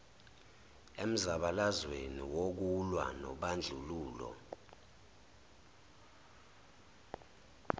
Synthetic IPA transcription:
em̩zaɓalazweniwok̬ulwa̰nɔ̰ɓand͡ɮʱuluːlɔ̰

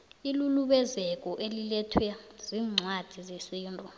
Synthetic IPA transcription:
iluluɓɛzɛkʼɔʔelilɛtʰwɛz̥iːŋ͡ǀʱwad̥ʱizesiːntʼɔ

